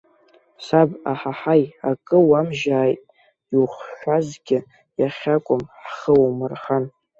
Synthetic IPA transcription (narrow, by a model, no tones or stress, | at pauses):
sabaħaħajakʼɨwamʒaːjtʼ | iwχʷʃʷᶣazɡʲɪ | jaχʲakʷʼʊmħχəwmɨrχan